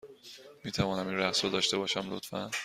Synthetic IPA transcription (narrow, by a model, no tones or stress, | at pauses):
miːt̪ʰævɒːnæminɾæχsɾod̪ɒːʃt̪e̞bɒːʃæmlo̰t̪fæn